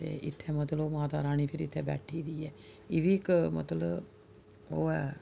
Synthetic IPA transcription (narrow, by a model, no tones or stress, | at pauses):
ḛʔḭt̪ʰːɛmət̪əloːmaːt̪aːɾaːniːpʰiɾit̪ʰːɛbɛ̰ʈʰːiːd̪iːɛ | iʋikmə̰t̪ələ | oːɛ